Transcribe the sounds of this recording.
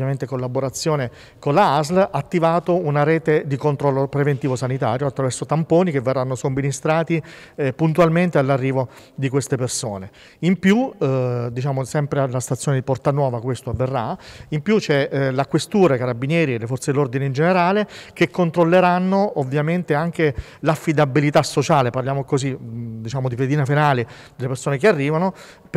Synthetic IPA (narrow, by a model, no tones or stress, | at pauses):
jament̪ekolːaboɾat̪sːjoːne | konlaazlat̪ːivaːt̪ounaɾɛːt̪ed̪ikont̪ɾɔlːopɾevent̪iːvosanit̪a̰ːɾjoat̪ːɾavɛrsot̪ampoːnik̟evːerːanːosomːinist̪ɾaːt̪ipunt̪ualment̪ealːarːiːvo | d̪ikwest̪epersoːne | impju | d̪it͡ʃaːmosɛmpɾealast̪at̪sːjoːned̪ipɔrt̪anwɔːvakwest̪oavːerːaimpjut͡ʃɛlakwest̪uːɾakaɾabinjɛːɾielːefɔrt̪sed̪elːord̪ineind͡ʒeneɾaːlek̟ekːont̪ɾolːeɾanːoovːjament̪eaŋke | lafːid̪abːilit̪asːot͡ʃaːleparljaːmokozid̪it͡ʃaːmod̪iped̪iːnafenaːli | d̪elepersoːnekearːiːvano | p